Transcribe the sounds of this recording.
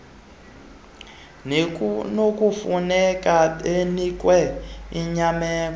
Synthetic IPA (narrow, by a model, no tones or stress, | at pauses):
nok̬ufunɛkaenikwɛiɲamɛːk̬ɔ